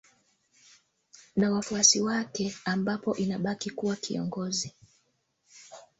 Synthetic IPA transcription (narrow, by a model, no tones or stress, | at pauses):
nawafuasiwakɛambapɔʔinaɓakikuwakḭɔ̰ŋɡɔzi